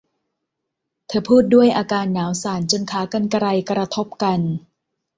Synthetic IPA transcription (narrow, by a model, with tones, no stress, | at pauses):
t̪ʰɤː˧pʰuː˥˩t̪̚du˥˩əjʔaː˧kaː˧nːaː˩˦wsaː˩˦nt͡ɕo˧nkʰaː˩˦ka˧nka˧ɾa˧jkɾa˧t̪ʰo˦˥p̚ka˧n